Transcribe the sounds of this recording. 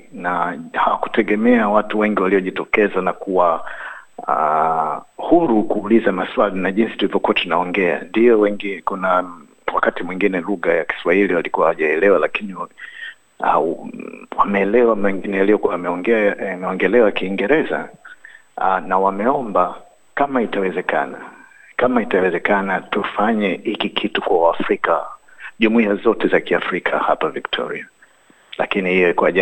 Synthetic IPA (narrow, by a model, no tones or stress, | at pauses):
nahawaku̥tɛɠɛmɛawatuwɛŋɡiwaliɔʄitɔkɛzanakuwa | a | huɾukuːlizamaswalinaʄinsi̥tulivɔkuwatunaɔŋɡɛa̰ndijɔwɛŋɡikuna | wakatimwiŋɡinɛluɣajaki̥swahiliwalikuwahaʄaɛlɛwalakini | a̰ | wamɛːlɛwamɛŋɡinɛjalijɔkuamɛɔŋɡɛmɛɔŋɡɛlɛwakiːŋɡɛɾɛza̰ | nawamɛɔmba | kamaitawɛzɛka̰na | kamaitawɛzɛkanatufaɲɛhikikʰitukwawaːfɾikaʄumuiazɔtɛzakiafɾikʰa̰ha̰paviktʰɔ̰ɾḭa | la̰kinihijɔikwaʄa